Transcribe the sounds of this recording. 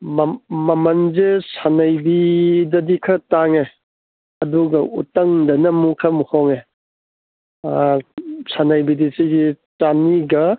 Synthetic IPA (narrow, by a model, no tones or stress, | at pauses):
mmɐmɐnzesanɐjbidɐdikʰɐtaŋe | ɐduɡɐṵtɐŋdɐnɐmukʰɐmuhɔŋe | sanajbidisiɡitaniɡɐ